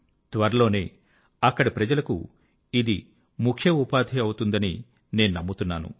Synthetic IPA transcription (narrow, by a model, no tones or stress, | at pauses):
t̪ʋɐɾɐlo̞ːne̞ː | ɐkːɐɽipɾɐd͡ʒɐlɐkṵ | id̪i | mukʰjɐupaːd̪ʱiɐwut̪und̪ɐni | ne̞ːnunɐmːut̪unːaːnṵ